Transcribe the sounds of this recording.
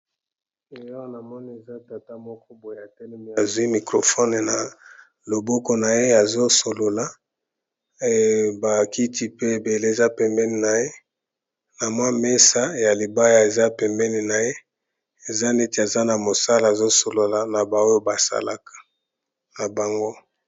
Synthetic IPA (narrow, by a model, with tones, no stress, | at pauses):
e˨jɔ˦na˨mɔ˦ni˦e˨za˦ta˨ta˦mɔ˦kɔ˦bo˨e˨a˨tɛ˦lɛ˦me˨a˨zu˨˦i˦mi˨kʁo˨fɔ˦n˨na˨ | lo˨bɔ˦kɔ˦na˨je˦a˨zo˦so˨lo˨la˦ | ba˨ki˦ti˦pe˦˨be˨le˦e˨za˦pɛ˨mbɛ˦ni˨na˨je˦ | na˨mwa˦me˦sa˦ja˨li˨ba˦ja˨e˨za˦pɛ˨mbɛ˦ni˨na˨je˦ | e˨za˦ne˦ti˨a˨za˦na˨mo˨sa˦la˨a˨zo˦so˨lo˨la˨na˨ba˨o˦jo˦ba˨sa̰˦la˨kḁ˨ | na˨ba˨ŋɡo˦